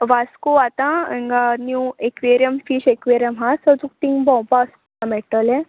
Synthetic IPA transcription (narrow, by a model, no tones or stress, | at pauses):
ʋaskoat̪ãẽŋɡanjuekʋeɾjəmfiːɕekʋeɾjəmɦasət͡suk̚ʈ̪ĩŋɡbɔ̃wpas | tãmeʈəlẽ